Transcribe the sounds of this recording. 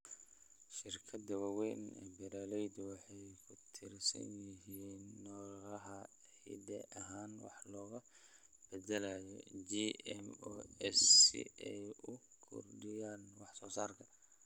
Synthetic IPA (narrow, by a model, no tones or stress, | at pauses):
ʃɪrkʰɐd̪ɐwɑwɛnɛ̰bɐɾaːlɛjd̪ʊwɑħɑjkʰʊt̪ʰɪrsɐ̰njɪɦiːnːɔːɐɦɐ | hɪ̰d̪ɛʔɐɦaːnwɑ̰ħlɔːɣɐb̥ɛd̪ɛlajɔ̰d͡ʒiɛmɔɛsḭɛjʊkʰʊ̰rɖɪjaːnwɑħsɔːsaːrkʰɐ